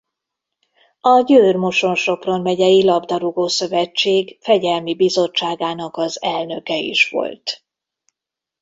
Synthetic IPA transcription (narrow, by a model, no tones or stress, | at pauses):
ɒɟøːrmo̞ʃo̞nʃo̞pro̞nvɛɟɛjilɒbd̪ɒɾuɡoːsø̞vɛt͡ʃːeːɡfɛɟɛlmibizo̞t͡ʃːaːɡaːnɒkɒzɛlnø̞kɛḭʃʋo̞̰lt̪